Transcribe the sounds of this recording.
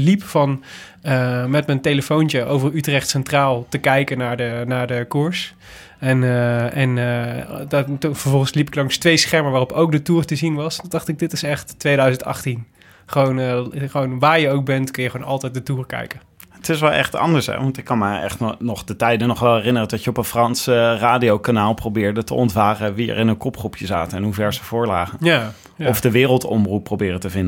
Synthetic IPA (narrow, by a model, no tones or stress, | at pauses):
lipfɑn | əmɛtmɛntejləfowntəʔo̰wvərytrɛχtsɛntraːlˠtəkɛjkənaːɹdənaːɹdəkuɹs | ɛnəɛn | dfəɹvɔlˠχənslipɪklɑŋstʋejsχɛɹməɹʋaːrɔpowk̚dətuːrtəzinʋɑsd̥ɑχtɪɡ̚dɪtɪsɛχtːʋejdœɥzəntɑ̰χtin | χəʋownχʋownʋaːɹjəowk̚bɛntkɵnjəχownɑlˠtɛjt̚dətuːrkɛ̰jkən | ətɪsʋɛlˠɛ̰χtɑ̰ndəɹsɛ̰ʋɑntɪkːɑnməɛ̰χtnɔχdətɛjdənːɔχʋɛlˠɛrɪnərədɑtjəɔpənfrɑnsəraːdiowkanaːlˠprowbɪːɹdətəʔɔntvaːrəʋiɛ̰ɹɪnənkɔpχrupjəzaːtəɛnɦuvɛɹsəv̥ʊːɹla̰ːχənja | ɔfdəʋɪːrəlˠtɔmrupːrowbɪːrətəvɪndə